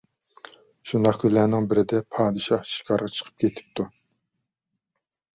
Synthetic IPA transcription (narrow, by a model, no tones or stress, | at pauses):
ʃund̪ɑχkʰʲylæːnɪŋbɪɾɪd̪ɛpʰɑːd̪ɨʃɑhʃi̥kʰɑɾʁɑt͡ʃʰə̥qʰə̥p̚kʲʰet̪ʰɪ̥p̚t̪ʰu